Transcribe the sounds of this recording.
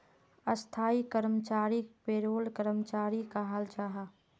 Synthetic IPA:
əst̪ʰaːikəɾmət͡ʃaːɾipeːɾoːlkəɾəmət͡ʃaːɾikaɦəlt͡ʃaːɦa

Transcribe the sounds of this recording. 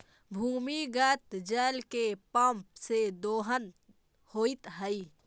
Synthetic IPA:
bʱuːmiɡət̪d͡ʒəːlkepəmpsed̪oːɦən | hoːit̪ɦəi

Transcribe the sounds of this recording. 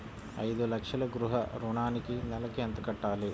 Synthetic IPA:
ɐ̰jd̪ulɐkʂɐlɐɡɾuɦɐɾuɳaːnikinɛlɐkeɐnt̪ɐkɐʈːaːli

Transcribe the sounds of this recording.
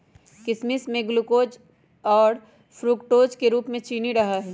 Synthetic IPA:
kɪsmɪsmẽɡlukoːd͡ʒ | ɔːɾ | fʰɾukʈoːd͡ʒkeɾuːpmẽt͡ʃiːniɾɐɦaɦɛː

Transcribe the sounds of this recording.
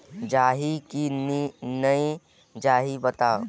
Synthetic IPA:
d͡ʒaːɦikinnəĩ | d͡ʒaːɦibət̪aː

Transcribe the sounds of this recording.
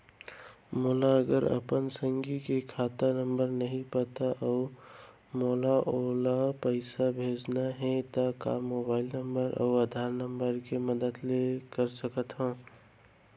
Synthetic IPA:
molaəɡəɾə̰pənsəŋɡikekʰat̪anəmbəɾnəɦĩpət̪aʔəʊ | molaʔolapəɪsabʱed͡ʒnaɦɛ̃t̪əka̰mobaːɪlnəmbəɾʔa̰ʊəd̪ʱaɾnəmbəɾkeməd̪əd̪lekəɾsəkət̪ɦõː

